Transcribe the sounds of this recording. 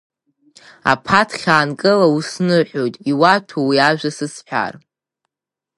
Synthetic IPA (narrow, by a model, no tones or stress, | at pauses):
a̰pʰatʰχʲaːnkʼɨlausnɨħʷᶣo̞jtʼiwatʰowiaʒᶣʷasɨsħʷᶣa̰r